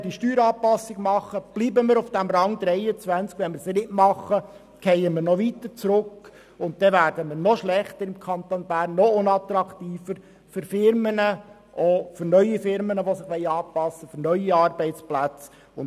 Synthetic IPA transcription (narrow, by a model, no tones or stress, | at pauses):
d̥iʃtyːɾɑːpɑsːɪɡmɑχːəb̥liːbəməɾufd̥æmɾɑŋd̥̪ɾɛɪət͡sʋænt͡skʋɛnməɾsenɪtmɑχə | kʰɛjəmɪɾnɔʋit̪əɾt͡sɾʊkː | ʊnt̚d̥̪ɛʋæːɾdəmɪɾnɔʃlɛχt̪əɾɪmkʰɑnt̪onbæːɾnːɔʊnɑt̪ɾɑkt̪iːfəɾ | fʏɾfɪɾmənə | ʔofʏɾnœʏifɪɾmənəʋɔsɪχʋɛɪɑːpɑsːəfʏɾnœʏiɑːɾbɛɪtt͡splæt͡s | ʊn